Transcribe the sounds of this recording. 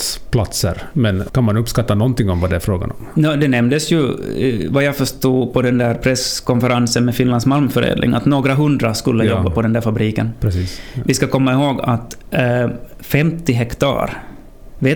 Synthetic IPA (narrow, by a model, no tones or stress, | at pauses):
spʰlat̪sə̰ɾmɛnkanmanɵpːskat̪ːanɔnt̪ɪŋɔmvad̪ɛæɾfɾoːɡa̰nɔ̰mjɑːd̪ɛnɛmd̪əsjɵvajɑfœʂt̪uːpʰɔd̪ɛnd̪æːɾpʰɾɛskɔnfəɾansənmɛfɪnlansmalmfœɾḛːd̪lʔɪ̰ŋa̰t̪noːɡɾaɦɵnd̪ɾaskɵlːəjɔbbːapʰɔd̪ɛnd̪æːɾfabɾiːkə̰npɾɛsiːsvɪskakʰɔmːaɪɦoːɡa̰t̪ | fɛmt̪ɪɦɛkt̪ʰɑ̰ːɾ | veː